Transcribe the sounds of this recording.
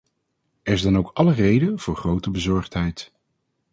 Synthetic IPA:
ɛɹɪzdɑnowkɑlərejdəv̥ʊːɹχrowtəbəzɔɹχtɦɛjt

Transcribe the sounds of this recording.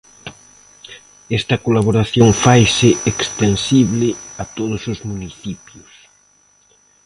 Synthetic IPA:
ɛst̪ɐkolaβ̞oɾaθjoŋfajsɪekst̪ensiβlɪat̪oðʊsʊzmuniθipjʊs

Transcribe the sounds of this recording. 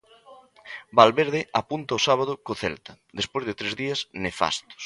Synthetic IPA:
balβeɾðɪapunt̪ɐosaβ̞aðʊkoθɛlt̪ɐd̪espojzðet̪ɾezðiɐsnefa̰st̪ʊ̥s

